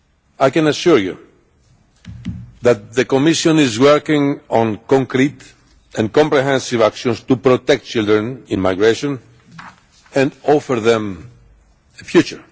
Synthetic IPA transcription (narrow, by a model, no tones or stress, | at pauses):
ajkɛ̃naʃuɹjṵ | ðæt̪̚ðəkɔmiʃɔ̃nizwɛɹkĩŋɔ̃nkɔ̃ŋkɾit̪ | ɛ̃nkɔ̃mpɾɛɦɛ̃nsivakʃɔ̃nst̪upɾɔt̪ɛk̚t̚t͡ʃild̪ɾə̃nĩnmajɡɹeʃɔ̃n | ɛ̃nɔfəɾðɛ̃m | əfjut͡ʃəɹ